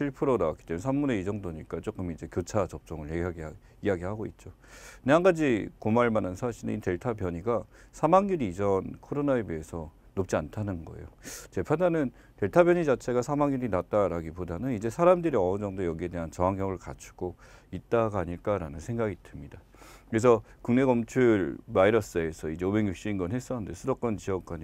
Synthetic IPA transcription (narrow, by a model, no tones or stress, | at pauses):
ɕʰiɭpʰɯɾonawa̰k͈i̥t͈emjnsʰamːune̞id͡ʑʌŋdoɲik͈at͡ɕ͈ok͈ɯmid͡ʑe̞kjɯt͡ɕʰat͡ɕʌp̚t͡ɕ͈ʌŋɯɭeɦɡi | ijaɡihaɡoit̚t͡ɕ͈o | kɯneɦaŋɡad͡ʑikomaɭmanɯnsʰaɕʰiɾɯ̰nite̞ɭtʰabjʌɲiɡasʰamaŋɲuɾiːd͡ʑʌnkʰoɾonae̞biesʰʌ | nop̚t͡ɕ͈iantʰanɯnɡʌ̰ejot͡ɕe̞pʰadanɯn | te̞ɭtʰabjʌɲid͡ʑat͡ɕʰe̞ɡasʰamaŋjuɾinat̚t͈aɾaɡipodanɯnid͡ʑe̞sʰaɾamdɯɾiʌond͡ʑʌŋdojʌɡie̞de̞ɦant͡ɕʌɦaŋɦjʌŋɯɭka̰t͡ɕʰu̥ɡ̥oit̚t͈aɡaɲiɭk͈aɾanɯnsʰe̞ŋɡaɡidɯmɲida | kɯɾe̞s̬ʰʌkuŋne̞ɡʌmt͡ɕʰuɾmaiɾʌs͈ɯe̞sʰʌid͡ʑe̞obe̞ŋjuɕ͈iːnɡʌnɦe̞s͈ʌnɯnde̞sʰɯɾʌk͈ʌnt͡ɕiʌk̚k͈aɲi